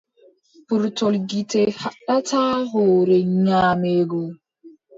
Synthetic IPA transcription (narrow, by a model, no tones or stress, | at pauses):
puɾtɔlɡitehaɗataːɦoɾeɲaːmeɡo